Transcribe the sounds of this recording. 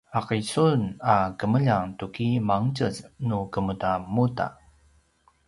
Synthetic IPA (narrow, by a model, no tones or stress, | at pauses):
aqisunakəməʎaŋtukimaŋt͡ɕəznukəmutamuta̰